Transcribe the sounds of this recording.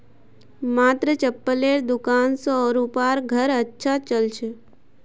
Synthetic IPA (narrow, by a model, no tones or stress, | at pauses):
maːt̪ɾət͡ʃəpːəleːɾd̪ʊkaːnsɔːɾupaːɾɡʱəɾətːʃʰat͡ʃəlt͡ʃʰe